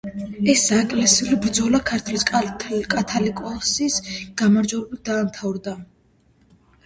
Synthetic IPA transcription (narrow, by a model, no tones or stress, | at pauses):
ɛsdaɛkʼlɛsiulibɾd̪zɔlakʰaɾt̪ʰwliskʼkʼat̪ʰalikʼɔsisɡ̥amaɾd͡ʒwɛɾɛbit̪̚d̪aːmt̪ʰavɾd̪a